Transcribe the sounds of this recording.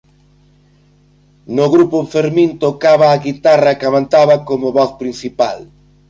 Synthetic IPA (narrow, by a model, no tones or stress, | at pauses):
nʊɣɾupʊfeɾmĩnt̪okaβɐːɣit̪arɐkaβant̪aβɐkomʊβɔθpɾin̟θipal